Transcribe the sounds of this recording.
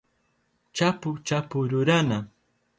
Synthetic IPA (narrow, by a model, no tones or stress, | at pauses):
t͡ʃapʊt͡ʃapʊɾʊɾana